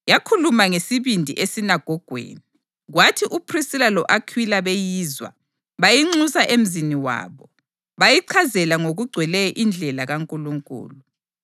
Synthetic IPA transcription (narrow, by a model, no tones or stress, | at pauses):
jakʰulumaŋesiβindʱḭʔesinaɡ̥ʱɔɡ̥ʱwḛːni | ɣwatʰiʔupʰrisilalɔʔakʰwilaβejiːzwa̰ | βajiŋ͡ǀusaʔem̩ziniwa̰ːβɔ | βajiǀʰazɛlaŋoɣuɡ͡ǀʱwɛlɛʔind͡ɮʱɛlaɣaŋkʼuluŋkʼṵːlu